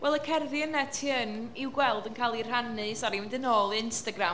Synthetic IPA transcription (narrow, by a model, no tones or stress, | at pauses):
wɛlˠəkʰɛrðjənɛtʰiəniwɡwɛlˠdənkʰalˠir̥anɨsɔɾiɪndɨnoːlˠɪnstaɡra